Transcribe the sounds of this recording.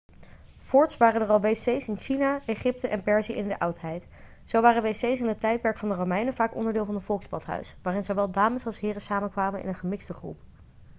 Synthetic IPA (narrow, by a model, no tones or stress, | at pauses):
fʊɹtsʋaːrəndərɑlˠʋejsejsɪnʃinaeχɪp̚təʔɛnpɛɹziɪndəʔʌwtɦɛjt | sowʋaːrənʋejsejsɪnətɛjt̚pɛɹkfɑndəromɛjnəvaːkɔ̰ndəɹdɪːlˠvɑnɦətfɔlˠkspɑtɦœ̰ɥsʋaːrɪnzowʋɛlˠdaːməsɑlˠsɦɪːrəsaːməkʋaːmənʔɪ̰nənχəmɪksdəχrṵp